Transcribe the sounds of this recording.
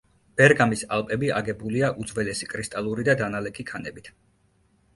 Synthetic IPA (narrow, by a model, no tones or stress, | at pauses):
b̥ɛɾɡamisalˠpʼɛbiaɡɛbuliaʔud̪zvɛlɛsikʼɾist̪ʼalˠuɾid̪ad̪analɛkʰikʰanɛbit̪ʰ